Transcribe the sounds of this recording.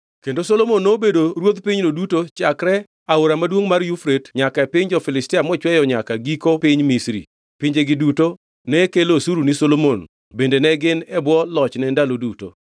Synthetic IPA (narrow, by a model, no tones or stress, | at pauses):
kendosolomonːobedoɾwod̪piɲnodutot͡ʃakɾɛ | aoɾamadwoŋmarjufɾetɲakaepɪɲd͡ʒɔfɪlɪstɪamɔt͡ʃwɛjɔɲakaɡikopɪɲmisɾḭ | pɪɲd͡ʒeɡɪduto | nɛkelosuɾunisolomon | bendenɛɡɪnɛbwɔlɔt͡ʃnɛndaloduto̰